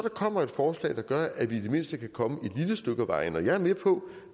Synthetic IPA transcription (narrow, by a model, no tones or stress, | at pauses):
ɒɾ̥ɑ̈kʰɒ̽m̰ɐe̝d̥fɒːslɛ̰ːd̥ɑ̈ɡ̥ɶɐʔæʋid̥e̝me̝n̰sd̥əkʰækʰɒ̽məe̝d̥liləsd̥øɡ̥ʋɑ̈ɪnɒjɑ̈ɪɐmepʰɒ̽